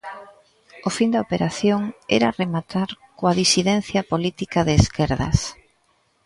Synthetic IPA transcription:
ʊfind̪aopeɾaθjoŋɛ̰ɾɐremat̪aɾkoaðisiðɛn̟θjɐpolit̪ikɐðeːskɛɾðɐ̰s

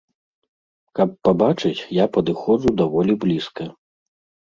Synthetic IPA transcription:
kɐpːabat͡ʂɨt͡sʲjapɐd̪ɨxɔʐud̪avɔlʲiblʲiskɐ

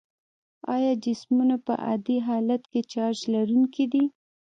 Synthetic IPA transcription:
ɑjɑd͡ʒɪsmunapə̰ʔa̰d̪iɦɑlat̪ket͡ʃɑɾʒlaɾuŋkid̪i

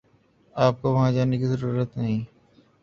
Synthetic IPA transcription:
aːp̚koʋɐɦãd͡ʒaːnekizəɾuːɾət̪nəɦĩː

